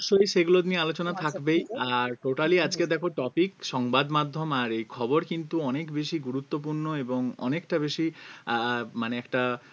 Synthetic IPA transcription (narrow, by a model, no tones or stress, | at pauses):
ʃojʃeɡulod̪niealot͡ɕonat̪ʰakbejaɾʈoʈaliad͡ʑked̪ɛkʰoʈɔpikʃɔŋbad̪mad̪ʱːomaɾejkʰɔboɾkint̪uɔnekbeʃiɡuɾut̪ːop̬uɾnoeboŋɔ̰nekʈabeʃi | maneɛkʈa